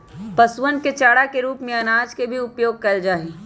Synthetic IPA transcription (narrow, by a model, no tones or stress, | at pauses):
pəswənket͡ʃaːɽakeɾuːpmẽɐnaːd͡ʒkebʱiʊpjoːɡ̚kɐld͡ʒaːɦi